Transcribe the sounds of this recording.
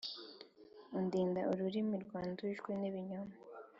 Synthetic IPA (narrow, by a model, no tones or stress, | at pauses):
undiːndaʔuɾuɾimiɾɡwaːnduiʒɡwiniβiɲoma